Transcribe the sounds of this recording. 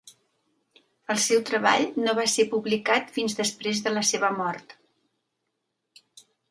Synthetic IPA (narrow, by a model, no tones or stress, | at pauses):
əlˠsɛwt̪ɾəβa̰ʎnoβ̞asepuβlikat̪finzðəspɾezðələseβəmɔrt̪